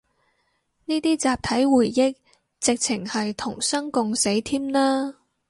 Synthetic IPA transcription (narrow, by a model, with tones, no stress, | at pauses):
niː˥t̪iː˥t͡saː˨˧p̚t̪ʰɐ˨˥jwuː˨˩jːɪ˥k̚ | t͡sɪ˨k̚t͡sʰɪ˨˩ŋhɐ˨jt̪ʰʊ˨˩ŋsɐ˥ŋkʊ˨˧ŋse˨˥jt̪ʰiː˥mnaː˥